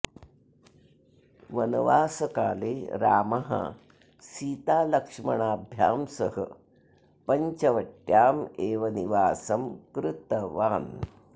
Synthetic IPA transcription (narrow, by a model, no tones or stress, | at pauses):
ʋɐnɐʋaːsɐkaːleːɾa̰ːmɐɦɐ̰ | siːt̪aːlɐkʂmɐɳaːbʱja̰ːmsɐɦɐ̰ | pɐɲt͡ʃɐʋɐʈjaːmeːʋɐniʋaːsɐmkɾɨt̪ɐʋaːn